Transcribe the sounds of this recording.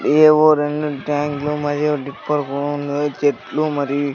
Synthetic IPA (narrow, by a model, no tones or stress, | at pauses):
eːʋoɾeɳɖuʈaːŋɡlumɐɾijoɖipːɐɾkuɽnd̪ot͡ʃeʈlumɐɾi